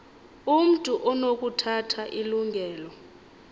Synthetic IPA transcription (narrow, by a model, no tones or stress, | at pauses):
um̩tʼuʔɔnok̬utʰatʰaʔiluŋʱɛːlɔ